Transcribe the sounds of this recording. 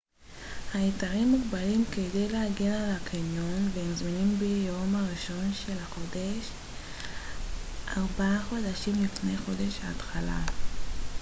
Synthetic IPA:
haitaʁimːuɡbalimkede̞jlehaɡenalakʰanonvehemzminimbejomaʁiʃo̞nʃe̞laχo̞deʃ | ʔaʁbaaχo̞daʃimlifne̞jχo̞de̞ʃhaːt̪χala̰

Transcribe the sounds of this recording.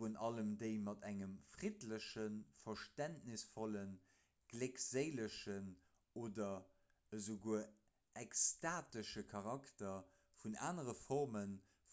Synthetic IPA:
unʔɑləmdeəɪmɑtʰæŋəmfʁidləɕənfɐʃtæntnisfɔlən | ɡ̥lekz̥eɪləʃən | oːdɐ | əzoɡuə | ʔɛkstaːtəʃəkʰɑʁɑktɐ | funa̰ːnəʁəfɔʁmən | f

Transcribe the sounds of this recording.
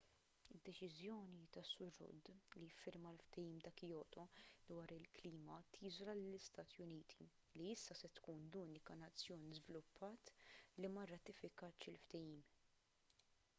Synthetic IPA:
ɪd̪ːɛt͡ʃɪzjɔːnit̪ɐsːʊɾːʊ̰d̪lijɪfːɪɾmɐlft̪ɛjiːmd̪ɐːkɪjɔːʔt̪ɔd̪wɐːɾɪlkliːmɐt̪ʰiːzɔlɐlɪlːɪst̪ɐːt̪ijʊniːt̪ʰi̥ | liɪsːɐsɛt̪kuːnluːnɪkɐnɐt͡sːjɔːnizvɪlʊpʰːɐːt̪limɐrːɐt̪ɪfɪkɐt̪ːʃɪlft̪ɛjiːm

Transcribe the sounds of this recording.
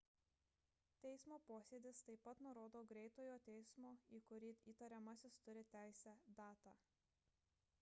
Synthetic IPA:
t̪ʲɛɪsmoːpoːsʲeːd̪ʲɪst̪ɐɪpːɐt̪nʊɾoːd̪oːɡɾʲɛɪt̪oːjoːt̪ʲɛɪsmoːiːkʊɾʲiːiːt̪ɐɾʲɛmɑsʲɪst̪ʊɾʲɪt̪ʲæˑɪsʲæd̪ɑːt̪ɑː

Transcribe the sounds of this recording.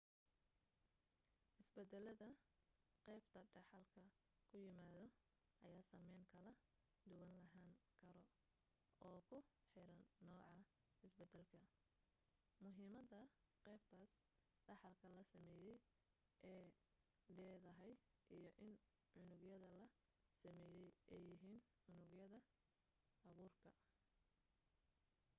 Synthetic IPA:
ʔɪsbɛd̪ɛlɐðɐ | qɛjbt̪ʰɐɖɑħɑlkʰɐ | kʰʊjɪmaːðɔ | ʔɐjaːsɐmɛjŋkʰɐlɐ | d̪ʊɣɐnlɐɦaːŋkʰɐɾɔ | ʔɔːkʰʊħɪɾɐnːɔːʕɑ | ɪsbɛd̪ɛlkʰɐ | mʊɦiːmɐdɐ | qɛjb̚t̪ʰaːs | ɖɑħɑlkʰɐlɐsɐmɛːjɛj | ʔɛː | lɛːðɐɦɛjʔijɔʔɪn | ʕʊnʊɡjɐðɐlɐ | sɐmɛːjɛjʔɛjɪɦiːn | ʕʊnʊɡjɐðɐ | ʔɑɣuːrkʰɐ

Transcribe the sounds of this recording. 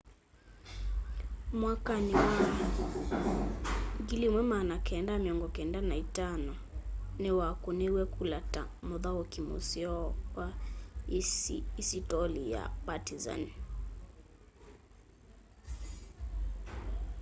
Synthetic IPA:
mwakaniwa | ɡilimwɛmanakɛndamiɔŋɡɔkɛndanaitanɔ | nɛwakunɛwɛkʰulata | mɔðawɔkimṵsiɔwa | isitɔlija̰patiza̰n

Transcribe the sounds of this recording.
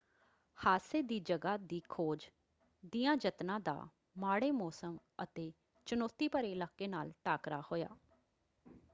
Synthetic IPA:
haːseːd̪iːd͡ʒəɡaːd̪iːkʰoːd͡ʒ | d̪ijãːd͡ʒət̪nãːd̪a̰ː | maːɽeːmɔːsəm | ət̪eː | t͡ʃənoːt̪ːiːpəɾeːɪlaːkːeːnaːlʈaːkɾaːhoːja̰ː

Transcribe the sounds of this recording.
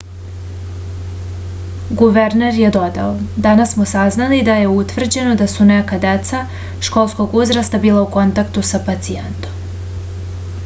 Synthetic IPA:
ɡuʋeɾneɾje̞d̪o̞d̪a̰od̪anassmosaznalid̪aje̞ut̪ʋr̩d͡ʑe̞no̞d̪asune̞kad̪et̪sa | ʃko̞lˠsko̞ɡuzɾast̪abiːlˠauko̞nt̪akt̪usapat̪sient̪o̞m

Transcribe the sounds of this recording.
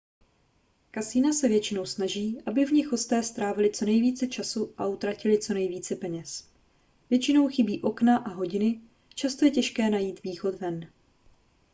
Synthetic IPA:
kasiːnasɛvjɛt͡ʃɪno̞wsnaʒiːʔabɪvɲɪxo̞st̪ɛːst̪ɾaːvɪlɪt͡so̞nɛjviːt͡sɛt͡ʃasuʔaut̪ɾacɪlɪt͡so̞nɛjviːt͡sɛpɛɲɛs | vjɛt͡ʃɪno̞wxɪbiːʔo̞knaʔaɦo̞ɟɪnɪ | t͡ʃast̪o̞jɛcɛʃkɛːnajiːt̪viːxo̞t̪vɛn

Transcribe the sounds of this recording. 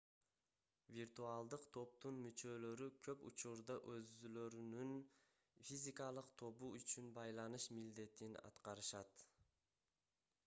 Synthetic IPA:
vʲirt̪ualˠd̪ɯqt̪ʰo̞p̚t̪unmyt͡ʃø̞lø̞ɾykʰøpṵt͡ʃuɾd̪ɑʔøzyløɾynyn | fʲizʲikalˠɯqt̪ʰo̞buyt͡ʃynbɑjlˠɑnɯʃmild̪e̞t̪inɑ̰t̪qɑɾɯʃɑt̪

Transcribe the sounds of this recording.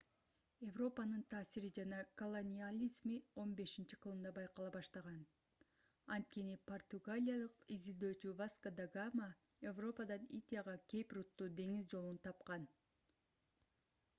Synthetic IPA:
e̞vro̞pɑnɯnt̪ʰɑːsiɾid͡ʒɑnɑkolˠonʲialʲizmio̞nbe̞ʃint͡ʃiqʰɯlˠɯmd̪ɑbɑjqɑlˠɑβɑʃt̪ɑʁɑn | ɑnt̪̚kʲe̞nipo̞rt̪uɡalʲijalˠɯqizild̪ø̞ːt͡ʃyvaskad̪aɡamə | evro̞pɑd̪ɑnid̪ʲjaʁɑkʲʰe̞prut̪ːuːd̪e̞ŋizd͡ʒo̞lˠunt̪ʰɑp̚qɑn

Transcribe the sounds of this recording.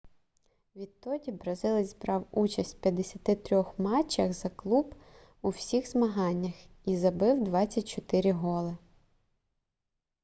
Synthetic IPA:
ʋʲid̪t̪ɔdʲibɾɐzɪlˠɪzbɾɑwut͡ʃɐsʲtʲpʲjɐd̪ːesʲɐt̪ɪt̪ɾʲɔxmɑt͡ʃːɐxzɐklˠub | uwsʲixzmɐɦɑnʲːɐx | izɐbɪwd̪ʋɑt͡sʲːɐt̚ʲt͡ʃɔt̪ɪɾʲɪɦɔlˠɪ

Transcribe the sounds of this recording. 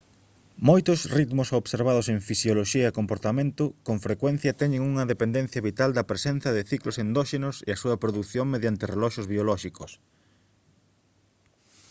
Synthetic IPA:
mojt̪ʊsrit̪mʊsoβseɾβað̞oseŋfisjoloʃiɐekompoɾt̪amẽnt̪ʊkoŋfɾekwɛn̟θjɐt̪ɛɲeŋuŋɐðepend̪ɛn̟θjɐβit̪ald̪ɐpɾesen̟θɐðɪθiklosend̪ɔʃenʊseɐsuɐpɾoðuθjoŋmeðjant̪ɪrelɔʃʊzβiolɔʃikʊs

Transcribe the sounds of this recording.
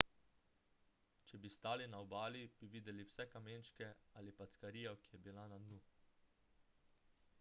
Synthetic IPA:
t͡ʃɛbist̪aːlinaɔbaːlib̥iʋiːd̪ɛliwsɛkameːnt͡ʃkɛaːlipat̪skaɾiːjɔkijɛbilanad̪nu

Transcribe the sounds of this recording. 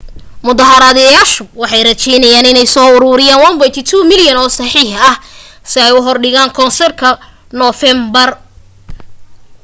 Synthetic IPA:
mʊðɑɦɐɾɐðɛjaːʃʊwɑħɑjrɐt͡ʃɛjnɐjaːnɪnɛjsɔːʊɾʊːɾɪjaːnwɐmbɔjt̪ʰɪt̪ʰuːmɪljɐnɔːsɑħiːħɐh | sɪɛjʊɦɔrɖɪɣaːŋkʰɔnsɛrkʰɐ | nɔfɛmbɐr

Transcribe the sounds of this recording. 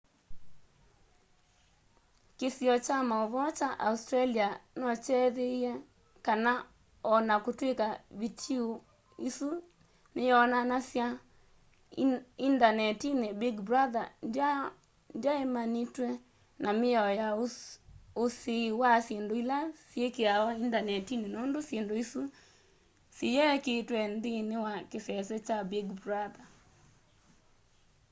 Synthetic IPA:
kesiɔt͡ʃamaɔβɔt͡ʃaʔaustɾalianɔt͡ʃɛðeiɛ | kana | ɔnakotwekaβitʰio | isu | nejɔnanasja | indanɛtinɛbiɡbɾaðana | ndjaemanitwɛ | namɪɔjaoosiwasjendoilasjekeaɔindanɛtinenondosjendoisu | sejɛketwɛnd̪inewakesɛsɛt͡ʃabiɡbɾaða

